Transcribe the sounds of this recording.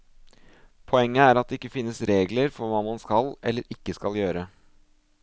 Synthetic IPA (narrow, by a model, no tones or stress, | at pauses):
pʰɔɛŋːəæːɾɑt̪̚d̪ɛɪkːəfɪnːəsɾeːɡləɾfɔɾʋɑːmɑnskɑlɛlːəɾɪkːəskɑljøːɾə